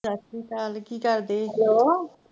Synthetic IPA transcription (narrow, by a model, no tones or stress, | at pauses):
ɾəsiːk̪aːlkiːkəɾd̪eːɦloː